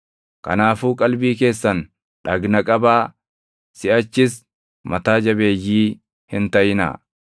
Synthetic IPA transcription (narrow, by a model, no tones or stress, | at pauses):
kɐ̰naːfuːkʼɐlbiːke̞ːsːɐn | ᶑɐɡnɐkʼɐbaː | sɪʔɐt͡ʃːɪs | mɐt̪aːd͡ʒɐbe̞ːjːiː | hɪnt̪ɐjɪnɐ̰ː